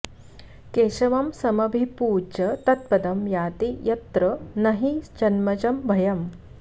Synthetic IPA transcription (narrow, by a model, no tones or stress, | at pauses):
keːʃɐʋɐmsɐmɐbʱipuːd͡ʒɐt̪ɐt̪̚pɐd̪ɐmjaːt̪ijɐt̪ɾɐnɐɦid͡ʒɐnmɐt͡ʃɐmbʱɐjɐm